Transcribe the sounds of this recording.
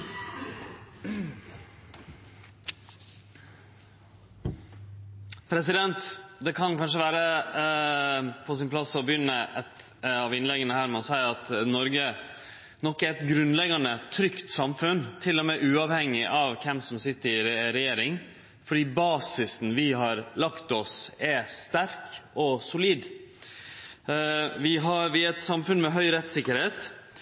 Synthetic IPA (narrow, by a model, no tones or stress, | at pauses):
pʰɾɛsɪd̪ɛnt̪d̪ɛkʰɑnkɑnʂəʋæːɾə | pʰɔs̬ɪnpʰlɑsɔbəjʏnːəɛt̪ | ɑʋɪnlɛɡənəhæːɾmɛɔsæɪɾɑt̪nɔɾɡə | nɔkːæɾɛt̪ɡɾʉnlɛɡɑnət̪ʰɾʏkt̪sɑmfʉnt̪ʰɪlːɔmɛʔʉːɑːʋhɛŋːɪʔɑʋkʰɛmsɔmsɪt̪ːəɾɪɾɾɛjeːɾɪŋ | fɔɖiːbɑːsɪsn̩ʋɪɦɑɾlɑkt̪ɔsɛst̪æɾkɔsʊliːd̪ | ʋɪɦɑɾʋɪæɾɛt̪sɑmfʉnmɛɦœʏɾɛt̪sɪkːəɾheːt̪